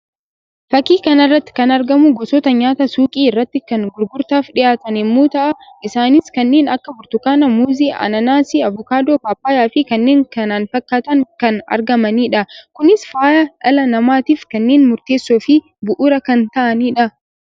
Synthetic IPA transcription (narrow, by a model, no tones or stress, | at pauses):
fɐkːiːkɐnɪrːɐt̪ːɪ̥kɐnɐɾɡɐmʊɡɔsɔt̪ɐɲaːt̪ɐsuːkʼiːɪrːɐt̪ːɪkɐŋɡʊɾɡʊɾt̪aːfᶑɪjaːt̪ɐnɛmːoːt̪ɐʔɐʔɪsaːnɪskɐnːe̞ːnɐkːɐbʊɾt̪ʊkaːnɐmuːziːʔɐ̰nɐnaːsɪɐvʊkaːd̪oːpaːpːaːjaːfɪkɐnːeːŋkɐnaːnfɐkːaːt̪ɐŋkɐnɐ̰ɾɡɐmɐniːᶑɐkʊnɪsfaːjɐᶑɐlɐnɐmaːt̪iːfkɐnːeːnmʊɾt̪eːsːoːfɪ | bʊʔʊɾɐkɐnt̪ɐʔɐniːᶑɐ